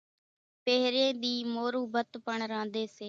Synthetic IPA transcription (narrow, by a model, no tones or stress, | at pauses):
peːɦɾeːd̪iːmoːɾuːbət̪pəɳɾãːnd̪eːseː